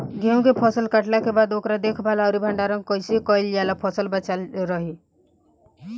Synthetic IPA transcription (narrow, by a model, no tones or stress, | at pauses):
ɡeũkepʰɔsəlkəʈlakebaːd̪oːkɾad̪ekʰbʱalaʊɾibʱəɳɖaɾəŋkəɪsekɔɪljalapʰɔsəlbət͡ʃalɾəɦi